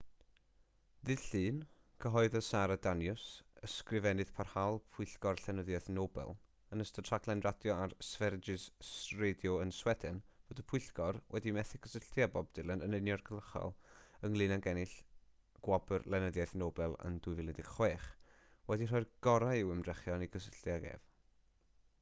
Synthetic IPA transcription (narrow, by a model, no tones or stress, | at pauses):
ðɨd̥ɬɨːn | kʰəɦɔɨðəsaɾadanjʊsəskrɪvɛnɨð̥pʰarhalˠpʰʊɬɡ̥ɔrɬɛnəðjajθnoːbɛ̰lˠ | ənəstətʰraɡlˠɛnradjɔarsvɛrd͡ʒɪssredjɔənswɛdɪnvoːdəpʰʊɨɬɡɔrwʔɛdimɛθɪɡəsəɬtjabɔb̚d̥ɪlˠənənənjɔrɡəlˠəχɔ̰lˠəŋlˠɨnanɡɛnɪɬ | ɡ̥wɔbərlˠɛnəðjaθnoːbɛlˠə̰ndʊɨvɪlɛdɪɡ̥χweːχ | wɛdir̥ɔjrɡ̥ɔɾajɪwəmr̥ɛχjɔniɡəsəɬjaɡɛ̰v